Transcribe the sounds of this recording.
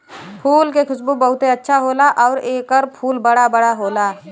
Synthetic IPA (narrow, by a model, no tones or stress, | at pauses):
pʰuːlkekʰʊsbubəɦʊt̪eətːʃʰaɦoːlaʔɔːɾeːkəɾpʰuːlbəɽabəɽaɦoːlaː